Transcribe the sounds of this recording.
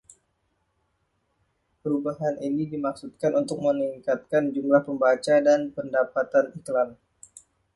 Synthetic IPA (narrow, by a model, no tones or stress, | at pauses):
pəɾubaɦanʔinidimak̚sut̪̚kanʔunt̪ʊk̚məniŋkat̪̚kand͡ʒumlahpəmbat͡ʃadanpəndapat̪aniklam